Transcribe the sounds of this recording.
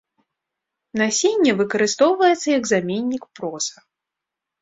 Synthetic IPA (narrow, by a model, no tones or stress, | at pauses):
nasʲenʲːɛvɨkɐɾɨst̪ɔwvɐjɛt̪sːɐjɐɡzamʲenʲːikpɾɔsɐ